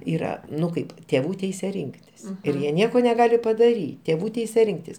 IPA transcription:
ˈiːrɐ ˈnʊ ˈkɐɪp tʲeːˈʋuː ˈtʲɛɪsʲɛ ˈrʲɪŋktʲɪs ɪr ˈjiɛ ˈnʲiɛkoː nʲɛˈɡɑːlʲɪ pɐdɐˈrʲiː tʲeːˈʋuː ˈtʲɛɪsʲɛ ˈrʲɪŋktʲɪs

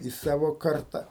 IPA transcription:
iː ˈsɑːʋoː ˈkɐrtɐ

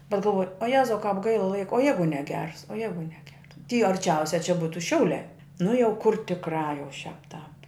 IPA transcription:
bʲɛt ɡɐlˠˈʋoːj oː ˈjæːzɐʊ kɑːp ˈɡɐɪlˠɐ ˈlˠɐɪkoː oː ˈjɛɪɡʊ nʲɛˈɡʲɛrs oː ˈjɛɪɡʊ nʲɛˈɡʲɛrs tʲiː ɐrʲˈt͡ʃʲɛʊsʲɛ t͡ʃʲɛ ˈbuːtʊ ˈʃʲɛʊlʲæː nʊ jɛʊ kʊr tʲɪkˈrɑː jɛʊ ʃʲæːp tɑːp

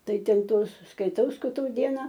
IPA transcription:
ˈtɐɪ ˈtʲɛn ˈtoːs skɐɪˈtɐʊ skɐɪˈtɐʊ ˈdʲiɛnɐ

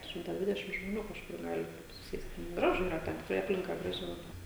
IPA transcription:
ˈʃʲɪmtɑː ˈdʲʋʲɪdʲɛʃʲɪm ʒmoːˈnʲuː kɐʃˈkʊr ˈɡɑːlʲɪ ˈtɐɪp sʊˈsʲeːsʲtʲ ˈɡrɑːʒʊ ˈiːrɐ ˈtʲɛn tʲɪkˈrɐɪ ˈɑːpʲlʲɪŋkɐ ˈɡrɑːʒʲɪ lˠɐˈbɐɪ

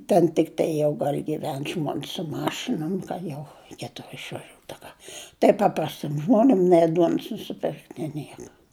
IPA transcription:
tʲɛn tʲɪkˈtɐɪ jɛʊ dɐr ɡʲɪˈʋʲɛn ʒmoːns sʊ ˈmɑːʃʲɪnoːm kɐ ˈjɛʊ rʲɛɪˈkʲeːtʊ ɪʃʋɐˈʒʲuːt ɐ ˈkɐ tɐɪ ˈpɑːprɐsʲtʲɪm ˈʒmoːnʲɪm nʲɛɪ ˈduɔns nʊsʲɪˈpʲɪrkt nʲeː ˈnʲiɛkɐ

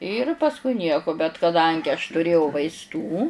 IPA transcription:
ɪr pɐsˈkʊɪ ˈnʲiɛkoː bʲɛt kɐˈdɐŋʲɡʲɪ ɐʃ tʊˈrʲeːjɛʊ ʋɐɪsˈtuː

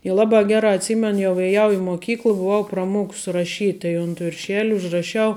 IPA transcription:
ɪ ˈlˠɑːbɑː ˈɡʲæːrɑː ɐtʲˈsʲiːmʲɛn jɛʊ ɛˈjɛʊ ɪ moːˈkʲiːklˠ bʊˈʋɐʊ prɐˈmuɔks rɐˈʃʲiːtʲ tɐɪ ʊnt ʋʲɪrʲˈʃʲæːlʲʊ ʊʒrɐˈʃʲɛʊ

